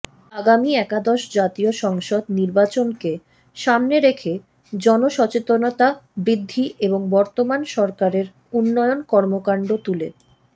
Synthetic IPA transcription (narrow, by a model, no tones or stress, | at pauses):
aɡamiɛkad̪ɔʃd͡ʑat̪ioʃɔŋʃod̪niɾbat͡ɕonke | ʃamneɾekʰe | d͡ʑɔnoʃɔt͡ɕet̪onot̪abɾid̪ʱːiʔeboŋbɔɾt̪omanʃɔɾkaɾeɾ | unːɔjonkɔɾmokaɳɖot̪ulḛ